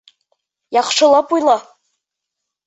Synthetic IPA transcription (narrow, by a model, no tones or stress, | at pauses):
jaχʂʰɨlapʼujla